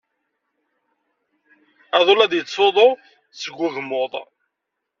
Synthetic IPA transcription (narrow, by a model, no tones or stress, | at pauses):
æðˤolæðjət͡sˤːoðˤo | t͡sːəɡʷːʊɣmʊðˤ